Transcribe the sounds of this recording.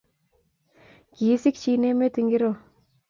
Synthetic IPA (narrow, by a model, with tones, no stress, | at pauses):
ki˨˦si˦k̚t͡ʃi˦ne˦me˦t̪i˨ŋɡi˦ɾo˨